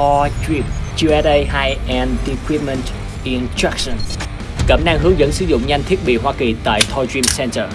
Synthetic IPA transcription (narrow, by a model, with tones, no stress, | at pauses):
ɔ˧t͡ɕwi˧p̚t͡ɕu˧ɛ˧tə˧jɦa˧jʔɛ˧ndi˧kwi˦˥p̚mə˧nt | ʔi˧nst̪ɹa˦˥k̚sə˨˧n | kə̰˧˩mɗaː˧ŋɦɨ˨˦əŋzə̰˧˥nsɨ˨˦zʊ̰˧˨ŋ͡mɲa˧jŋ̟t̪ʰi˦˥ət̚ɓḭ˧˨ɦwaː˧ki˨˩t̪a̰ː˧˨jt̪ʰɔ˧zwi˧msɛ˧ntə˧˨˩